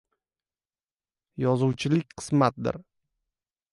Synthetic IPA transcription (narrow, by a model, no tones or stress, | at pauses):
jɒzʊwt͡ʃʰɪlɪk̚ʲqʰɨ̥smat̪̚d̪ɪ̰ɾ